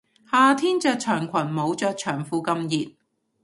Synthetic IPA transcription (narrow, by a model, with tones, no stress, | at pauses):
haː˨˧t̪ʰiː˥nt͡ʃœː˧k̚t͡ʃʰœː˨˩ŋkʰʷɐ˨˩nmo˨˧˥wt͡ʃœː˧k̚t͡ʃʰœː˨˩ŋfuː˧kɐ˧mjiː˨t̚